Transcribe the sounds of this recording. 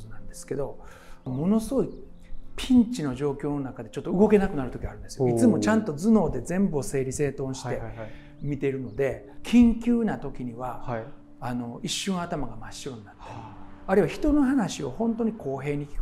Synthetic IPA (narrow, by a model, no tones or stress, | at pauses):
nãnd̪e̞sɨ̥ke̞d̪o̞ | mo̞no̞sɨɡo̞i | pʲʰĩɲt͡ɕino̞ʑo̞ːkʲo̞ːno̞nakad̪e̞t͡ɕo̞t̪ːoɯ̟ɡo̞ke̞nakɯ̟naɾɯ̟t̪o̞kʲiaɾɯ̟nd̪esɨ̥joit͡sɨmo̞t͡ɕãnt̪o̞d͡zɨno̞ːd̪e̞zẽ̞mbɯose̞ːɾʲise̞ːt̪õ̞ɕi̥t̪e̞ | mʲit̪e̞ɾɯ̟no̞d̪e̞ | kʲʰĩŋkʲɨːnat̪o̞kʲiɲ̟iβaː | no̞iɕːɨ̃ɰat̪amaɡamaɕɨoninat̪ːeaɾeɯiβaçi̥t̪o̞no̞ɦanaɕio̞hõ̞nt̪o̞ɲ̟ikʰo̞ːɦe̞ːɲ̟ikʲi̥k